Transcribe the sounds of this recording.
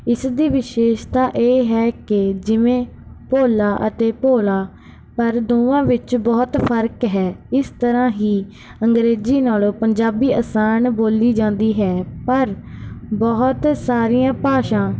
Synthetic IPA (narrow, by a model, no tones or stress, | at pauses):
ɪsd̪iːʋɪʃeːʃt̪aːʔeːɦɛːkɪd͡ʒɪʋẽː | poːlaːʔət̪eːpoːlaː | pəɾd̪oːãːʋɪt͡ʃbɔːt̪pʰəɾkɦɛːɪst̪əɾãːɦiː | əŋɡɾeːziːnaːloːpəɲd͡ʒaːbiːʔəsaːnboːliːd͡ʒãːnd̪iːɦɛːpəɾbɔːʊt̪saːɾɪjãːpaːʃãː